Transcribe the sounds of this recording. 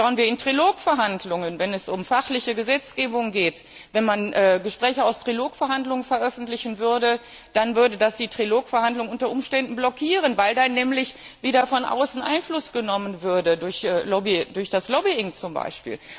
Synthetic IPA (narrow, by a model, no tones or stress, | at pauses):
aʊənviːɐɪntʁ̥iloːkfɛɐɦandlʊŋənvɛnɛsʔʊmfaχlɪçəɡəzɛt͡sɡ̥eːbʊŋɡeːt | vɛnmanʔɛːɡəʃpʁ̥ɛːçəaʊstʁ̥iloːkfɛɐɦandlʊŋənfɛɐʔœfn̩tlɪçn̩vʏɐdə | d̥anvʏɐdədasd̥iːtʁ̥iloːkfɛɐhandlʊŋʔʊntɐʔʊmʃtɛndn̩blɔkʰiːʁ̞ənvaɪldanːɛːmlɪç | viːdɐfɔnʔa̰ʊsn̩ʔa̰ɪnflʊsɡ̥ənɔmənvʏɐdədʊɐçːlɔbidʊɐçd̥aslɔbiɪŋt͡sʊmba̰ɪʃpḭːl